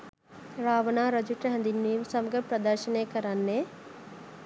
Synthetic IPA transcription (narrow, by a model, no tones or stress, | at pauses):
ɾaːʋɐnaːɾɐd͡ʒuʈːɐɦɛ̃nd̪inːejumsɐmɐɡɐɾpɾɐd̪ɐɾʃɐneːkɐɾanːe